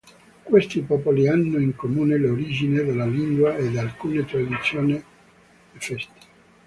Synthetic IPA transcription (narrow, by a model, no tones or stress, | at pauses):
kwest̪ipɔːpolianːoiŋkomuːneloɾid͡ʒined̪elːaliŋɡwaed̪alkuːnet̪ɾad̪it̪sːjoːne | fɛst̪e̥